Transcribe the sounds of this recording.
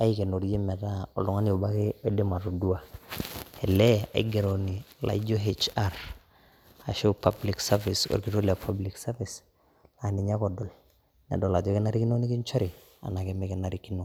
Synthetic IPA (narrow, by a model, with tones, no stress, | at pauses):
a˦ike˨no˨ɾji˦mɛ˨ta˦ɔ̰˨lu˨ŋa˦nio˨ba˦keː˦de˦ma˨to˨du˦a˨ | ɛ˨lɛ˦a̰˨i˦ɡe˨ɾo˨ni˨la̰˨i˦d͡ʒo˦ɦet͡ʃa˦ɾ | a˨ʃo˦pabli˨ksa˦vi˨so̰˨ɾki˨to˦li˨a˨pʰa˦bli˨ksa˦vi˨s | la˨ni˨ɲa˦kɔdɔ˨l | nɛ̰˨dɔ˨la˨d͡ʒɔ˦kɪ˦na˦ɾi˦ki˦no˦ni˦ki˦nt͡ʃo˦ɾi˨ | a̰˨na˨keme˦ke˨na˨ɾiki˦no˨